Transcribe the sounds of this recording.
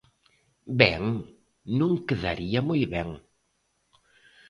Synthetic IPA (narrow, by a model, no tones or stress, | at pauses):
bɛŋ | nũŋkeða̰ɾiɐmujβɛŋ